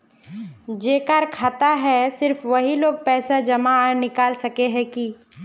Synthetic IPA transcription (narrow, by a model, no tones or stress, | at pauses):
d͡ʒeːkaːɾkʰaːt̪aɦɛsɪɾfʋɐɦiloːɡ̚pɛːsad͡ʒɐmaaːɾnɪkaːlsɐkeɦɛ̃kiː